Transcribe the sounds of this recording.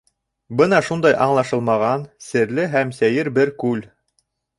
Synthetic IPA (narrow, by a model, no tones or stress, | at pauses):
bɤnɑʃund̪ɑjʔɑɴlˠɑʃɤlˠmɑʁɑnsɘ̆ɾlɘɦæmsæjɘɾbɘɾkʉl